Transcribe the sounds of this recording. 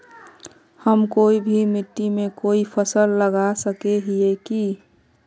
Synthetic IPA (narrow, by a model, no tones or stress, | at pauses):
həmkoːibʱimɪʈt̪ːimẽkoːipʰəsəlːəɡasəkeɦieki